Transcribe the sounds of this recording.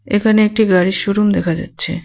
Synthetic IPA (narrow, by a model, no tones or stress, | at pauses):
ekʰaneek̚ʈiɡaɾiʃuɾumd̪ɛkʰad͡ʑa̰tːɕʰe